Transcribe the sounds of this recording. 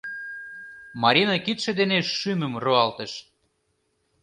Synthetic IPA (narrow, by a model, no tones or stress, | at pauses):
mɑɾʲinɑkit̪ʃĕd̪eneʃyməmroɑlt̪ə̆ʃ